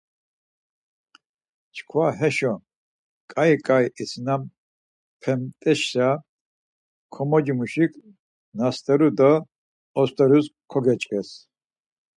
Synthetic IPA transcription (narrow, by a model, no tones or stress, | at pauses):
t͡ʃʰkʰwaɦɛʃɔ | kʼaikʼajisʰnam | pʰɛmt̪ʼɛʃsa | kʰɔmɔd͡ʒimuʃikʰ | nast̪ʰʼɛɾud̪ɔ | ɔst̪ʰʼɛɾuskʰɔɡɛt͡ʃʼkʼɛs